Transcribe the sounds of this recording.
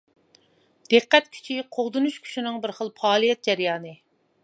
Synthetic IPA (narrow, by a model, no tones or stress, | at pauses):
d̪̥eqːɛt̪kʲʰy̥t͡ʃʰiqʰoʁd̪unuʃkʲʰy̥ʃinɪŋbɪɾχəlˠpʰɑːlˠijɛt̪̚d͡ʒɛɾjɑːnɨ